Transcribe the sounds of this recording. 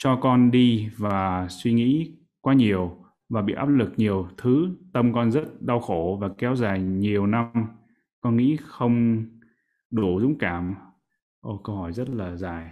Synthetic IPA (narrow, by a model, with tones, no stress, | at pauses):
t͡ɕɔ˧kɔ˧nɗi˧vaː˨˩swi˧ŋḭ˧˥ | kwaː˧ɲi˨˩əw | vaː˨˩ɓḭ˧˨ʔaː˦˥p̚lɨ˨˩k̚ɲi˨˩əwt̪ʰɨ˨˦t̪ə˧mkɔ˧nzə˦˥t̚ɗa˧wxo˧˩vaː˨˩kɛ˨˦wzaː˨˩jɲi˨˩əwna˧m | kɔ˧nŋḭ˧˥xə˧wŋ͡m | ɗu˧˩zʊ̰˧˥ŋ͡mkaː˧˩m | ʔo˧˩kə˧whɔ˧˩jzə˦˥t̚laː˨˩zaː˨˩j